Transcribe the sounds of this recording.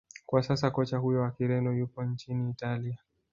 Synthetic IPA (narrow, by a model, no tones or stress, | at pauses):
kwasasakɔt͡ʃahujɔwakiɾɛndɔjupɔnt͡ʃiniːtalia